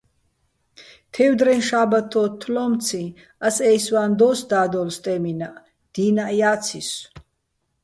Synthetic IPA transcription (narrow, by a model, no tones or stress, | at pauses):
t̪ʰɛwd̪ɾɛnʃaːbat̪ʰɔːt̪ʰːlɔmt͡sʰĩ | asɛjswand̪ɔsd̪aːd̪ɔlst̪ʼɛminaʔ | d̪̥iːnaʔjaːsʰis